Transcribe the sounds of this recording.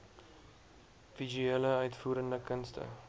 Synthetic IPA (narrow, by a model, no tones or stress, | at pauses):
vizyeːləœɥtfuːɾəndəkənstə̰